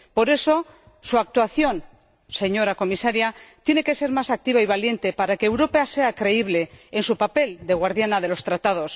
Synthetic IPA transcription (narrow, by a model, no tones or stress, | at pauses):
po̞ɾe̞so̞ | suak̚t̪waθjo̞n | se̞ɲo̞ɾako̞misaɾjat̪je̞ne̞ke̞se̞ɾmasak̚t̪iβaiβalje̞nt̪e̞paɾake̞ːwɾo̞pase̞akɾe̞iβle̞ːnsupape̞ld̪e̞ɣ̞waɾðjanað̞e̞lo̞st̪ɾat̪að̞o̞s